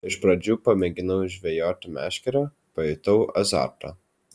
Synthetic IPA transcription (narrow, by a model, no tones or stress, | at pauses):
ɪʃpɾɐd͡ʒʲuːpɐmʲɛɡʲɪnɐʊɪʒʲʋʲɛjoːt̪ʲɪmʲæ̰ːʃʲkʲɛɾɐ | pɐjʊt̪ɐʊɐzɑ̰ːɾt̪ɐ̰